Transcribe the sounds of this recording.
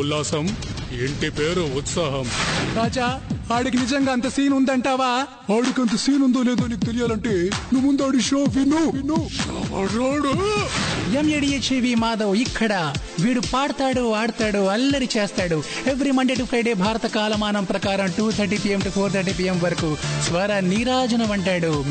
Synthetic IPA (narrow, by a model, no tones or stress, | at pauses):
ulːaːsɐmeɳʈipeːɾuut̪sɐɦɐmɾaːd͡ʒaːaːɽikinid͡ʒɐŋɡaːɐnt̪ɐsiːnund̪ɐɳʈaːʋaː | aːɽikiɐnt̪ɐsiːnund̪oːleːd̪oːniːkut̪elijaːlɐɳʈeːnuʋːund̪aːɽiʃoːʋinuʋinu | ɾoːɽu | jemjeɽijet͡ʃiːʋiːmaːd̪ɐwikʰːɐɽɐ | ʋiːɽupaːɽɐt̪aːɽuaːɽɐt̪aːɽuɐlːɐɾit͡ʃeːst̪aːɽu | eʋɐɾimɐɳɖeʈɐʋkɐjɽeːbʱaːɾɐt̪ɐkaːlɐmaːnɐmpɾɐkaːɾɐmʈuːt̪ʰɐɾʈipijemʈupʰoːɾt̪ʰɐɾʈiːpijemʋɐɾɐkusʋɐɾaːniːɾaːd͡ʒɐnɐʋɐɳʈaːɽu